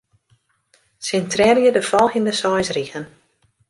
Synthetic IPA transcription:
sɪntrɛrjədəfɔlˠxindəsɔjsriɣən

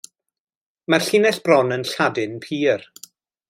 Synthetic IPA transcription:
marɬinɛɬb̥rɔnənɬadɪnpʰiːr

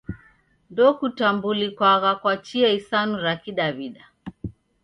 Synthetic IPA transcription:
ndɔkutambulikwaɣakwat͡ʃiɛisanuɾakiɗaβiɗa

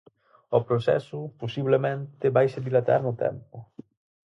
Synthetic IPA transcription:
ʊpɾosɛ̰sʊposiβlemẽnt̪ɪβajseðilat̪a̰ɾnʊt̪ɛ̰mpʊ

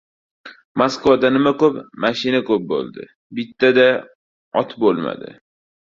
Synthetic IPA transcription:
moskʰvad̪anɪmakɵpmaʃɪnakʰɵp̚bo̰lˠd̪ɪ̰ | bɪt̪ːad̪a | ɒt̪bolˠma̰d̪ɪ̰

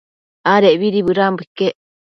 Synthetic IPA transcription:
aɾeʔβiɾiβɨɾambekːeʔ

